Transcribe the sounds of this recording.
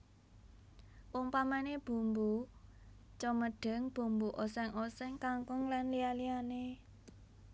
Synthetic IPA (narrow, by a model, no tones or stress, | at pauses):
wɔŋpamaneb̥ṳmbu | t͡ʃɔməɖ̥ə̤ŋb̥ṳmbuʔosɛŋʔosɛŋkaŋkʊŋlanlialiane